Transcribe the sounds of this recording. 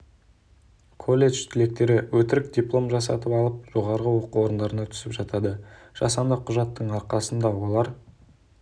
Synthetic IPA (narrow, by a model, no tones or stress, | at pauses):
kʰo̞lːe̞ʒt̪ʰɪle̞k̚t̪e̞ɾɪwɵt̪ɪɾɪkd̪ʲiplˠo̞mʒɑsɑ̰t̪əpɑlˠəp̚ʒ̥o̞ʁɑɾʁəwo̞quwo̞ɾənd̪ɑɾənɑt̪ʰʏ̥sɪpʒɑt̪ɑd̪əʒ̥ɑsɑnd̪əqʰʊʒɑt̪ːəɴɑɾqɑsənd̪ɑwo̞lˠɑɾ